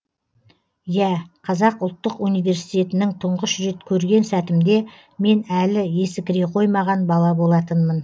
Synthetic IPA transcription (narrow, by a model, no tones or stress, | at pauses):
jæqʰɑzɑqʊlˠt̪ːəqunijve̞ɾsijt̪ʲe̞t̪ɪnɪŋt̪ʰʊɴʁəʃʒe̞t̪kʲʰɵɾɡʲe̞nsæt̪ɪmd̪e̞ | me̞nælɪe̞sɪkʲɪɾeqʰo̞jmɑʁɑnbɑlˠɑbo̞lˠɑt̪ənmən